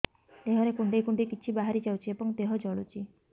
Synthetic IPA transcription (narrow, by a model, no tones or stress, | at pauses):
eɦɔɾekuɳɖejkuɳɖekit͡ʃʰibaɦaɾid͡ʒawt͡ʃʰiebɔŋt̪eɦɔd͡ʒɔɭut͡ʃʰi